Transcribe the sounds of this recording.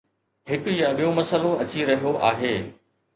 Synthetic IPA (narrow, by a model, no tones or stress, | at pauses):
hɪkʊjãɓijõmɐsəlõɐt͡ɕiɾɐɦijoʔaːɦeː